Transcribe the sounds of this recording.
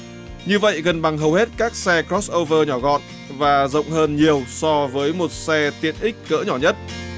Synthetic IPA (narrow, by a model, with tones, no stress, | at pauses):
ɲɨ˧və̰˧˨jɣə˨˩nɓa˨˩ŋɦə˨˩whe˦˥t̚kaː˦˥k̚sɛ˧kɾɔ˦˥sʔo˧vəː˧ɲɔ˧˩ɣɔ̰˧˨n | vaː˨˩zə̰˧˨wŋ͡mɦəː˧nɲi˨˩əwsɔ˧vəː˨˦jmo˨˩t̚sɛ˧t̪ḭ˨˧˩ənʔï˦˥k̟̚kə̰ː˧˥ɲɔ˧˩ɲə˦˥t̚